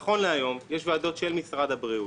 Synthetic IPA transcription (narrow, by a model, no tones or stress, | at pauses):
χo̞nleajo̞mjeʃvaːd̪o̞t̪ʃelmisʁad̪abʁiu